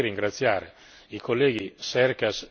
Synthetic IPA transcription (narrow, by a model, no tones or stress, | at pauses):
rːiŋɡɾat̪sːjaːɾḛ | ikolːɛːɡisɛrkas